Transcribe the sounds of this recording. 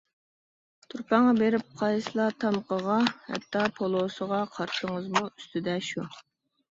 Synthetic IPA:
t̪ʰuɾpɑŋːɑbeɾɪp̚qʰɑjslˠɑt̪ʰɑmqəʁɑhɛ̰t̪ʰːɑpʰolˠosəʁɑqʰɑɾʃəŋəzmuyst̪ʰyd̪ɛʃu

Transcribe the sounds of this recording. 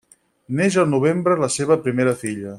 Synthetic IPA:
neʒəlˠnuβ̞embɾələseβ̞əpɾimeɾəfiʎə

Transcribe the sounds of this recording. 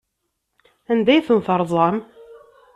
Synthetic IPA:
ænd̪æjθənθɑɾˤðˤɑm

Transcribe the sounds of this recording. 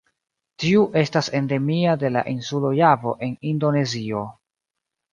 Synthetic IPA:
tiuʔe̞stase̞nde̞miade̞la̰ʔinsulojavo̞ʔe̞nindo̞ne̞zio̞

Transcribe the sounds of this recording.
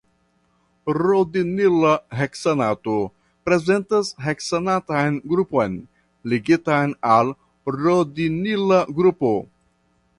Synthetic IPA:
ɾod̪inilaɦeksenat̪o | pɾezentɐsɦeksenatajnɡɾupojn | liɡitajnal | ɾod̪inilaɡɾupo

